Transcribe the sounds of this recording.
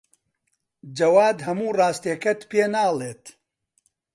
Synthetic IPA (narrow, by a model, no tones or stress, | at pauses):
d͡ʒɐwaːd̪hɐmuːrɑːst̪eɛkɐt̪peːnaːlˠeːt̪